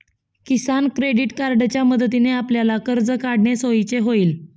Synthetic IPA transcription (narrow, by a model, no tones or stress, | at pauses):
kisankɾeɽiʈkaɾɖt͡ɕjaməd̪ət̪ineapljalakəɾd͡zəkaɽɳesoit͡seɦoiːl